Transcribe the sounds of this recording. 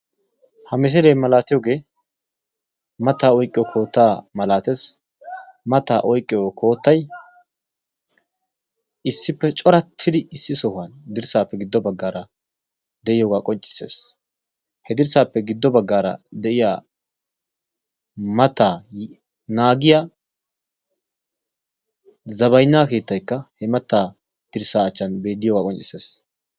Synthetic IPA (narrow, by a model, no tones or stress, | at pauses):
hɐmɪs̬ɛd̪eːmɐlaːt̪ɪjoːɡe̞ː | mɐt̪ːaːɔjkʼɪjɔkʰo̞ːt̪ːaːmɐlaːt̪es | mɐt̪aːʔɔjkʼːɪjokʰo̞ːt̪ːɐj | ɪsːɪpːɛt͡ʃʼɔɾɐt̪ʰːɪd̪ɪɪsːɪsɔhʊwɐnd̪ɪɾsaːpːɛɡɪd̪ːɔbɐɡːaːɾɐ | d̪ɛʔɪjoːɡaːkʼɔnt͡ʃʼːɪ̥se̞̰ːs | hɛd̪ɪɾsaːpːɛɡɪd̪ːɔbɐɡːaːɾɐ̰d̪ɛʔɪjaː | mɐt̪ːaː | naːɡɪja | zɐβɐjnːaːke̞ːt̪ːɐjkːɐhɛmɐt̪ːaː | d̪̥ɪɾsaːt͡ʃːɐnbe̞ːd̪ːɪjɔːɡaːkʼɔnt͡ʃʼːɪse̞ːs